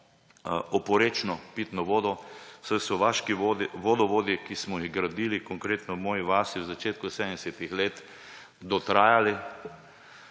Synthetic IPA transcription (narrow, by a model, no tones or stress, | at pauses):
ɔpɔɾeːt͡ʃnɔpit̪nɔʋoːd̪ɔsɛjsɔʋaʃkiʋod̪iʋod̪ɔʋoːd̪ikismɔjiɣɡɾad̪iːlikɔŋkɾeːt̪nɔwmɔːjiʋaːsiwzat͡ʃeːt̪kusɛd̪ənd̪ɛsɛt̪ixleːt̪ | d̪ɔt̪ɾaːjali